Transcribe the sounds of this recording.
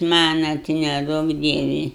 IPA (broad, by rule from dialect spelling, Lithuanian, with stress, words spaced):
ˈmɑːnɐ tɐɪ nʲɛˈduɔk ˈdʲiɛʋʲɪ